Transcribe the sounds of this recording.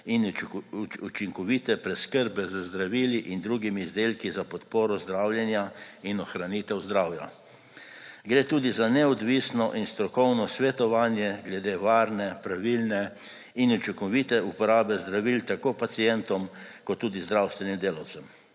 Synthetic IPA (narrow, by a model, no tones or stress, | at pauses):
in | ut͡ʃiŋkɔʋit̪ɛpɾɛskəɾbɛzəzd̪ɾaʋiːliʔind̪ɾuːɡimiːzd̪eːlkizapɔt̪poːɾɔzd̪ɾawljɛnjainɔxɾanit̪ɛwzd̪ɾaːwja̰ | ɡɾeːt̪uːd̪izanɛɔd̪ʋisnɔʔinst̪ɾɔkɔwnɔsʋɛt̪ɔʋaːnjɛɡlɛd̪eːʋaːɾnɛpɾaʋilnɛ | inut͡ʃikɔʋit̪ɛupɔɾaːbɛzd̪ɾaʋilt̪akoːpat̪sijɛnt̪ɔmkɔt̪ːuːd̪izd̪ɾawst̪ʋɛnimd̪eːlɐwt̪sɛm